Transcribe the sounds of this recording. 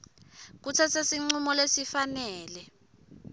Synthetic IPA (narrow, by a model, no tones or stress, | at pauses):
k̬ut͡sʰɛsesiŋ͡ǀumɔlesifanɛːlɛ